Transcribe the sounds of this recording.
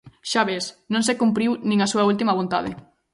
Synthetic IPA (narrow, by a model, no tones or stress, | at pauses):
ʃaβesnõŋsekumpɾiwnĩŋasuɐult̪imɐβ̞ont̪a̰ðɪ